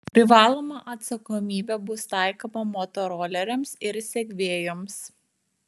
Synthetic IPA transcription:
pʲɾʲɪʋɑːlˠoːmɐʔɐt̪sɐkomʲiːbʲɛbʊst̪ɑˑɪkomɐmot̪ɔɾoːlʲɛɾʲɛmsɪɾsʲɛkʲʋʲeːjoms

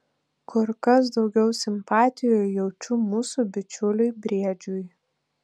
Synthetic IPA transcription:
kʰʊɾkɐs̬d̪ɒʊɡʲɛʊsʲɪmpɑːt̪ʲɪjojjɛʊt͡ʃʲumuːsubʲɪt͡ʃʲʊlʲʊɪbʲɾʲiɛd͡ʒʲʊj

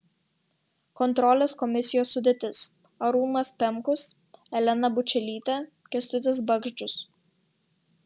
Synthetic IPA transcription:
kɔnt̪ɾɔlʲɛskɔmʲɪsʲɪjoːsːʊd̪ʲeːt̪ʲɪs | ɐɾuːlˠnɐspʲɛmˑkʊs | ɛlʲɛnɐbʊt͡ʃʲɛlʲiːt̪ʲɛ | kʲɛst̪ʲʊt̪ʲɛsbɐɡʒʲd͡ʒʲʊs

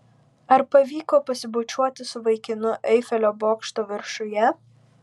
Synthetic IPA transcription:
ɐɾpɐʋʲiːkoːpɐsʲɪbʊt͡ʃʲuɔt̪ʲɪsʊʋɐɪkʲɪnʊʔɛɪfʲɛlʲoːboːkʃt̪oːʋʲɪɾʃʊjɛ

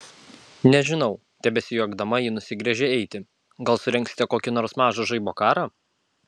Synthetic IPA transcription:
nʲɛʒʲɪnɒʊ | t̪ʲɛbʲɛsʲɪjuɐɡd̪ɐmɐjiːnʊsʲɪɡɾʲɛʒʲɛɛɪt̪ʲɪ | ɡɐlˠsʊɾʲɛ̃ŋksʲɪ̥t̪ʲɛkoːkʲɪnoːɾsmɑːʒɐʒɐɪboːkɑːɾɑː

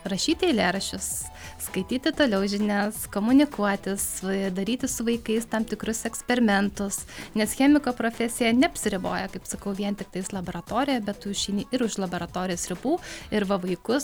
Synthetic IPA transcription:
rɐʃʲiːt̪ʲɪɪlʲeːɾɐʃʲʊs | skɐɪt̪ʲiːt̪ʲɪt̪oːlʲɛʊʒʲɪnʲæskoːmʊnʲɪkuɔt̪ʲɪsd̪ɐɾʲiːt̪ʲɪssʊʋɐɪkɐɪst̪ɑmt̪ʲɪkɾʊsɛksʲpʲɛɾʲɪmʲɛnt̪ʊsnʲɛsxʲɛmʲɪkoːpɾoːfʲɛsʲɪjɛnʲɛɐpʲsʲɪɾʲɪbo̰ːjɛkɐɪpsɐkɐʊʋʲiɛnt̪ʲɪk̚t̪ɐɪslˠɐboːɾɐt̪oːɾʲɪjoːbʲɛt̪tuːʃʃʲɛɪnʲiʔɪɾʊʃlˠɐboːɾɐt̪oːɾʲɪjoːsɾʲɪbuːɪɾʋɐʋɐɪkʊs

